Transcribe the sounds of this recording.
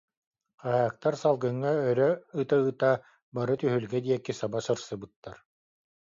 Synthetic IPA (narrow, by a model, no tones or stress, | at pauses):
qaɦaːk̚t̪aɾsalˠɡɯŋːaœɾœɯt̪aɯt̪a | baɾɯt̪yɦylɡɛd̪iɛkːisabasɯɾsɯbɯt̪ːaɾ